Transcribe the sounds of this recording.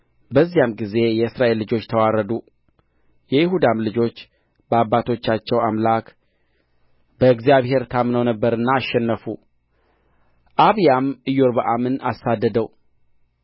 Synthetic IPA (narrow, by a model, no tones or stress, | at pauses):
bəzːijamɡize̞jɛɨsɾaʔe̞lːɨd͡ʒo̞t͡ʃːt̪ʰəwaɾəd̪u | jɛjɪhud̪amlɨd͡ʒo̞t͡ʃː | bəabːat̪ʰo̞t͡ʃːat͡ʃːɛwamlak | b̥əɨɡzijaβhe̞ɾt̪ʰamnəwnəbːəɾɨnːaːʃːɛnːəfu | ʔaβjamɨjoɾbəʔamɨnasad̪ːəd̪əw